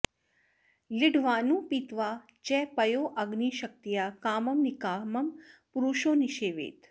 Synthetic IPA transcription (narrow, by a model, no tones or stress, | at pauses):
lɪɖʱʋaːnũːpit̪ʋaː | t͡ʃɛpɐjoːʔɐɡniːʃɐk̚t̪ijaːkaːmɐmnikaːmɐmpʊɾuʃoːniʃeːʋḛːt̪